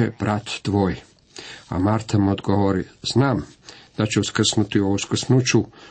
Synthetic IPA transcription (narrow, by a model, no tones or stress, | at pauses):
eb̥ɾat̪ːʋoːj | a̰maɾt̪ʰamod̪ɡoʋoɾiz̥naːmd̪̥at͡ɕeuskr̩snut̪iouskr̩snut͡ʃu